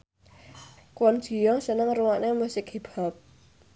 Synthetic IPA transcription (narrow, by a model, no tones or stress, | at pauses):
kwɔn̥ʒ̥i̤jɔsənəŋruwaʔnemusɪk̚ɦeb̥a̤p̚